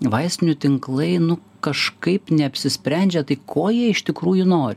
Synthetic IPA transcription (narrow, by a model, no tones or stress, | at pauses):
ʋɐɪsʲt̪ʲɪnʲʊt̪ʲɪŋklˠɐɪnʊ | kɐʃkɐɪpnʲɛɐpʲsʲɪsʲpʲɾʲɛnʲd͡ʒʲɛt̪ɐɪkʰoːjiɛɪʃt̪ʲɪkɾuːjʊnoːɾʲɪ